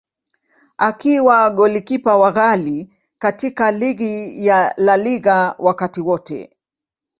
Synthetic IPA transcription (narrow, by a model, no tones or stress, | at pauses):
ʔakiwaɠɔlikipawaɣali | katikaliɡijalaliɣawʔakatiwɔtɛ̰